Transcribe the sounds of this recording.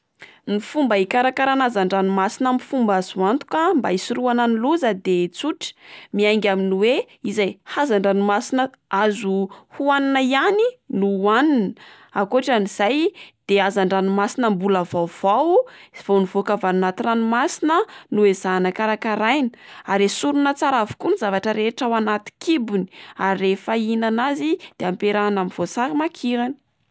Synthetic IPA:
mifumbəikaɾakaɾanazaɳɖ͡ʐanumasinəmifumbazuant̪u̥kəmbaisiruananiluzəd̪et͡suʈ͡ʂmiajŋɡʲaminiwe | izajhazaɳɖ͡ʐanimasinə | azuhuaninəianinuaninə | akoaʈ͡ʂaniz̥ajd̪̥eazaɳɖ͡ʐanimasinəmbuləvawv̥awv̥anivokavanunat̪iranumasinənuezanəkaɾakaɾajnəaɾesuɾunət͡saɾavu̥kunizavaʈ͡ʂəɾeʈ͡ʂawanat̪i̥kibuni̥aɾirefainanazid̪̥eampeɾaːnamiv̥osaɾimakʰiɾani̥

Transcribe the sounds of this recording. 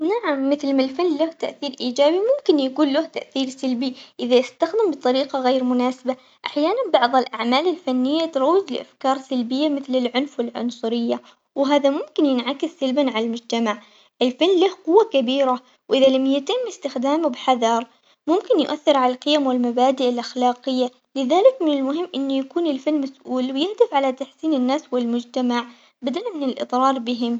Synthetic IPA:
naʕamːɪθlmalfanːlaht̪aʔθiːɾʔiːd͡ʒaːbimʊmkɪnjaɡuːlːʊht̪aʔθiːɾsalbiʔɪðajɪst̪axd̪ɪmbɨt̪ˤɑɾiːqɑɣejːɾmʊnaːsɪba | ʔaħjaːnanbɑʕðˤɪlʔaʕmaːlɪlfanːɪjːat̪ɾˤɑwːɪzlɪʔa̰fkɑːɾˤsalbɪjːamɪθlɪlʕʊnfwɪlʕʊ̰nsˤʊɾɪjːa | wɦaːðamʊmkɪnjɪnʕakɪsːalbanʕalalmʊd͡ʒt̪amaʕ | ʔɪlfalmlahqʊwːakabiːɾa | wʔɪðalamjɪt̪ɪmːɪst̪ɪxd̪aːmubɪħaðɑɾˤ | mʊmkɪnjʊʔaθːɪɾʕalalqɪjamwɪlmabaːd̪ɪʔɪlʔaxlaːqɪjːa | lɪðaːlɪkmɪnɪlmʊɦɪmːʔɪnːujakuːnɪlfalmasʔuːlwjɪhd̪ɪfʕalat̪aħsiːnɪnːaːswɪlmʊd͡ʒt̪amaʕ | bad̪almɪnɪlʔɨ̰t̪ˤɾˤɑːɾˤbɪɦɪm

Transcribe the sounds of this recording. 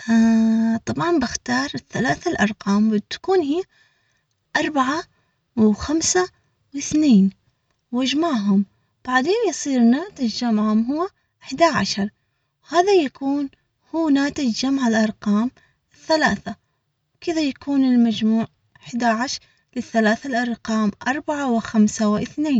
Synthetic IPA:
ʔat̪ˤɑbʕɑnbɪxt̪ɑːɾˤɪθːalaːθalʔɑɾˤqɑːmwɪt̪kuːnhiː | ʔɑɾˤbaʕa | wxamsa | wɪθneːn | wad͡ʒmaːʕɦʊm | b̥aʕd̪eːnjɨsˤiːɾnaːt̪ɪd͡ʒamʕʊmɦʊwːa | ʔɪħd̪aʕaʃɑɾˤ | haːðajakuːn | huːnaːt̪ɪd͡ʒamʕalʔɑɾˤqɑːm | ɪθːalaːθa | wkɪðajakʰuːnɪlmad͡ʒmuːʕ | ʔɪħd̪aʕaʃɾ | lɪθːalaːθalʔɑɾˤqɑːmʔɑɾˤbaʕawɪxamsawʔɪθneːn

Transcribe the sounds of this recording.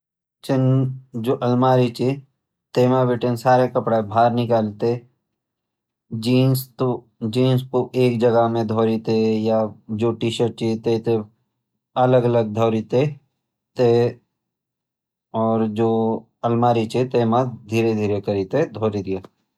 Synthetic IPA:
t͡ʃɪnd͡ʒoːʔɐlmaːɾit͡ʃe | t̪eːmabɪʈensaːɾekɐpɽabʱaːɾnɪkaːlt̪e | d͡ʒiːnst̪o | d͡ʒiːnskoʔeːkd͡ʒɐɡəɦmẽd̪ʱoːɾit̪ejad͡ʒoːʈiːʃəʈ̚t͡ʃit̪et̪e | ɐləɡələɡ̚d̪ʱɔːɾit̪e | t̪e | ɔːɾd͡ʒoː | ɐlmaːɾit͡ʃet̪eːmad̪ʱiːɾed̪ʱiːɾekəɾit̪ed̪ʱoːɾid̪ijaː

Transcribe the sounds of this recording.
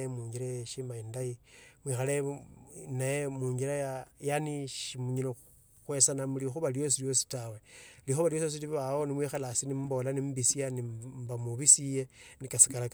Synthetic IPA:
emuːɲɟiɾeʃimaindaimwixale | najemuːɲɡiɾajajaniʃimuɲilo | xwe̞sanamulixuβaljo̞s̬iljo̞si̥tawelixuβaljo̞sos̬iliββaonimwixalasinimbolanimbisijanimbamuβisijenikasi̥kalak

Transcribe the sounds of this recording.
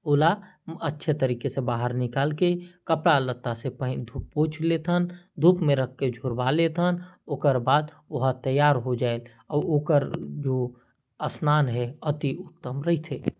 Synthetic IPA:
oːla | ətːʃʰet̪əɾiːkesebaːɦəɾnɪkaːlkekəpɽalət̪ːasepəɦd̪ʱupːõːt͡ʃʰlet̪ʰənd̪ʱuːpmẽɾəkʰːked͡ʒʱoːɾbalet̪ʰənoːkəɾbaːd̪ | ʊɦət̪əjːaːɾɦod͡ʒaːel | ɔːoːkəɾd͡ʒoː | əsnaːnɦɛət̪iʊt̪ːəmɾəɦit̪ʰe

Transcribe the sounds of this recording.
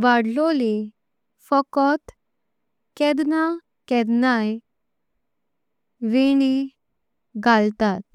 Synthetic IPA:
ʋaɽlɔle | fɔkɔt̪ | kɛdna | kɛɾnaj | ʋeɳ̃i | ɡalt̪at̪̚

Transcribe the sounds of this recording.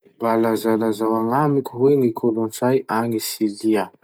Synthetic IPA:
balazalazawaŋamikʲuɦweŋikʰolont͡sajaŋisilia

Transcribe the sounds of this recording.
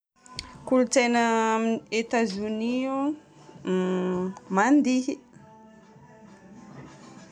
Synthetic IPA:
kulut͡sejnəet̪azunio | mand̪i

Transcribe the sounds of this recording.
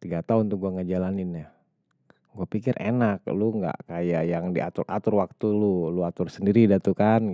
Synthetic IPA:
t̪iɡat̪aunt̪uk̚ɡuaŋɡad͡ʒalanɪna | ɡuapikɪrḛnak̚luŋɡa̰ʔkajajaŋdiʔa̰t̪ʊrʔat̪ʊrwak̚t̪ululuat̪ʊrsəndiɾidat̪ukan

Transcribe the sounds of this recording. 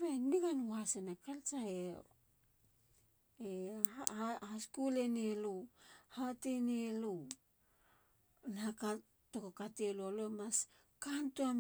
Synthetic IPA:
βeniɡanwasenakalt͡ʃae | eahaskuleneluhatenelu | naka | tokokatelualoemas | kantuam

